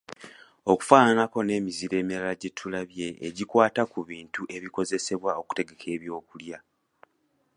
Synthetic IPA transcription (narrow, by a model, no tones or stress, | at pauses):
o̞ku̥faːnanako̞ne̞ːmiziɾe̞ːmiɾalaɟetʰːulaβje̞ʔːɟikwaːtakuβiːntuʔe̞βiko̞ze̞se̞βwao̞ku̥te̞ɡe̞kʰe̞ːβjo̞ːkulja